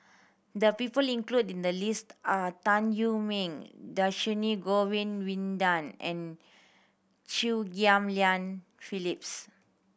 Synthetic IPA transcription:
d̪əpipəlĩŋkludĩndəlistatãnjumĩŋdaʃiniɡowĩnwĩndãnɛ̰̃n | t͡ʃiɡiãmliãn | filips

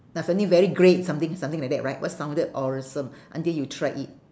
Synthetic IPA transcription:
nasõntĩŋvɛɹiɡɹet̚sãmt̪ɪ̃ŋsãmt̪ĩŋlak̚dɛt̚ʔɹaɪt̚wʔɔ̰tsãw̃ndədɔɹəsə̃mʔãntiljutʰɹaɪʔit̚

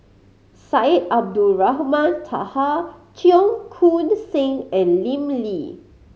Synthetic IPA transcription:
saitab̚duɹaɦmãntʰa̰hat͡ʃiɔ̃ŋkʰũnsẽŋɛ̃nlĩmli

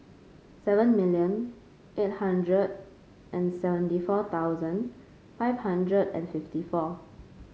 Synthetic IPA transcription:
sɛvə̃nmiljə̃n | ʔet̚hãndɹəd̚ | ʔɛ̃nsɛvə̃ntifɔt̪awzə̃n | faɪvhãndɹədɛ̰̃nfiftifɔ

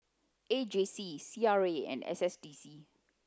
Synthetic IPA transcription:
ed͡ʒesisiaɹeɛ̰̃nɛ̰sɛsdisi

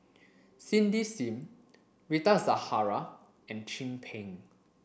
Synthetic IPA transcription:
sĩndisĩm | ɹitazahaɹa | ɛ̃nt͡ʃĩmpʰɛ̃ŋ

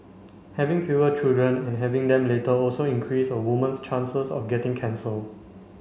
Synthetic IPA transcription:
hɛvɪ̃ŋfjuət͡ʃildɹə̃nɛ̃nɦɛvɪ̃ŋd̪ɛ̃mletəɔlsoĩnkʰɹisəwumə̃nst͡ʃãnsəsɔ̰fɡɛtɪ̃ŋkʰɛ̃nsəl

